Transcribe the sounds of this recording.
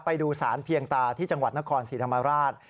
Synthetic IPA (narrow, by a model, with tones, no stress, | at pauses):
pa˧jduː˧saː˩˦npʰi˧əŋt̪aː˧t̪ʰiː˥˩t͡ɕa˧ŋwa˨˩t̪̚na˦˥kʰɔː˧nsiː˨˩tʰa˧mːa˧ɾaː˥˩t̪̚